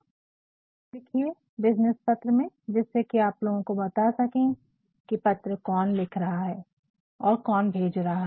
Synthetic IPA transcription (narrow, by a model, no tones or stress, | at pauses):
lɪkʰie | bɪd͡ʒnəspɐt̪ɾəmẽd͡ʒɪsːekiaːploːɡõkobɐt̪asɐkẽ | kipɐt̪ɾəkɔːnlɪkʰɾɐɦaɦɛː | ɔːɾkɔːnbʱeːd͡ʒɾɐɦaɦ